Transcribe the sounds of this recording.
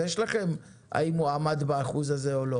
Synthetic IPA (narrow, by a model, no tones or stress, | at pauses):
jeʃlaχe̞m | ʔa̰imuamad̪baːχuzazeolo